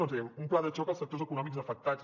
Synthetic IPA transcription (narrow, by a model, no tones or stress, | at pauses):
onteumplaðət͡ʃɔkəlˠsək̚t̪ozəkunɔmikzəfək̚t̪az